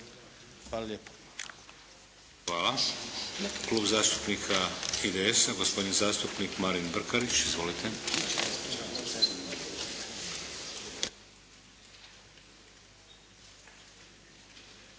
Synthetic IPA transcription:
ʋalʎep | ʋaːla | kluːbzaːst̪upnikʰaid̪eesaɡospo̞d̪inzaːst̪upniːkmaɾinbr̩kaɾit͡ʃizʋolit̪ʰe

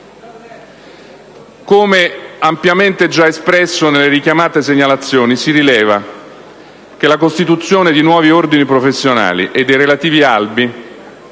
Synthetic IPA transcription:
komeampjament̪ed͡ʒaespɾɛsːonelːeɾikjamaːt̪es̬eɲːalat̪sːjoːnisiɾilɛːva | kelakost̪it̪ut̪sːjoːned̪inwɔːviord̪inipɾofesːjona̰ːlḭʔed̪ːejrelat̪iːvialbi

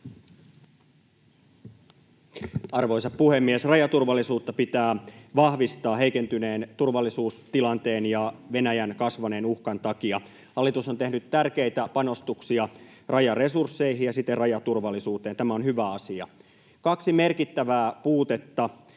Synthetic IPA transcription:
ɑrʋo̞jsɑppuhe̞mːiesrɑjɑt̪urʋɑlːisuːt̪ːɑpit̪æːʋɑhʋist̪ɑːɦe̞ijke̞nt̪yne̞ːnt̪urʋɑlːisuːst̪ilɑnt̪e̞ːnjɑʋe̞næjænkɑsʋɑne̞ːnuhkɑnt̪ɑkiɑ | hɑlːit̪uso̞nt̪e̞hnyt̪ːærke̞jt̪æpɑno̞st̪uksiɑrʔɑjɑresursːe̞iɦijjɑsit̪ːerrɑjɑt̪urʋɑlːˑisuːt̪eːnt̪æmæonhyʋæɑsiɑ̰ | kɑksime̞rkit̪ːæʋæːpuːt̪e̞t̪ːɑ

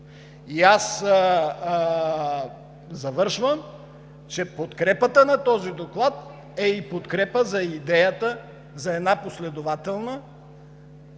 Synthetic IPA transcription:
ias | zɐvɤɾʃvəm | t͡ʃɛpot̪kɾɛpət̪ənɐt̪ɔzid̪oklˠat̪ | ɛipot̪kɾɛpəzɐid̪ɛjət̪ə | zɐɛd̪naposlɛd̪ovat̪ɛlˠnə

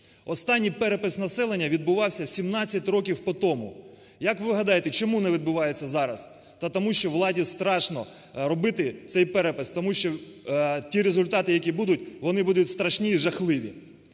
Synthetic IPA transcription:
ɔst̪ɑnʲːijpɛɾepɪsnɐsɛlˠenʲːɐʋʲid̪̚bʊʋɑwsʲɐsʲimnɑt͡sʲːɐtʲrɔk̬ʲiwpɔt̪ɔmʊ | jɐkʋɪʋɦɐd̪ɑjet̪ɛt͡ʃɔmunɛʋʲid̪̚bʊʋɑjet͡sʲːɐzɑɾɐs | t̪ɐt̪ɔmuʃt͡ʃɔʋlˠɑdʲist̪ɾɑʃnɔ | ɾɔbɪt̪ɪt̪sɛjpɛɾepɪst̪ɔmuʃt͡ʃɔ | tʲiɾezʊlʲt̪ɑt̪ɪjɐkʲibud̪ʊtʲʋɔnɪbud̪ʊtʲst̪ɾɐʃnʲiːʒɐxlˠɪʋʲḭ

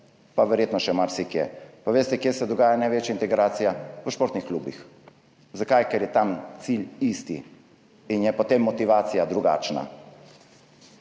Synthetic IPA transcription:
paʋɛɾjeːt̪nɔʃɛmaɾsikjɛ̰paʋeːst̪ɛkjesɛd̪ɔɡaːjanajʋeːt͡ʃjaint̪ɛɡɾaːt̪sijaʋəʃpoːɾt̪nixkluːbḭx | zakajkɛɾjɛt̪amt̪silist̪i | injɛpɔt̪emːɔt̪iʋaːt̪sijad̪ɾuɡa̰ːt͡ʃna̰

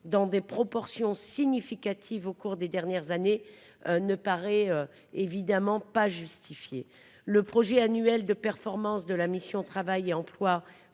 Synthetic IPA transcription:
d̪ɑ̃d̪epχɔpɔʁsjɔ̃siɲifikat̪ʰivokuʁd̪ed̪ɛʁnjɛʁzane | nəpaʁɛø | evid̪amɑ̃paʒyst̪ifje | ləpχɔʒɛanyɛld̪əpɛʁfɔʁmɑ̃sd̪əlamisjɔ̃t̪χavajeɑ̃plwa

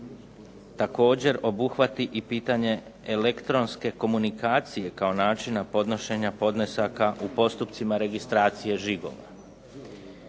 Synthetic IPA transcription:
t̪ako̞ːd͡ʑe̞ɾo̞buxʋat̪iʔipiːt̪aɲe̞ | ele̞kt̪ɾo̞nske̞ko̞munikaːt̪sije̞kao̞naːt͡ʃinapo̞d̪no̞ʃe̞ɲapo̞d̪nesakaʔupo̞st̪upt̪simaɾe̞ɡist̪ɾaːt̪sije̞ʒiɡo̞̰ʋa̰

